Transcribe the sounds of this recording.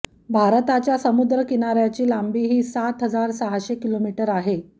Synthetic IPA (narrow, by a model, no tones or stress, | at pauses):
bʱaɾt̪at͡ɕjasəmud̪ɾəkinaɾjat͡ɕiːlambiːɦiːsat̪ɦəd͡zaɾsəɦaɕekilomiʈəɾaɦe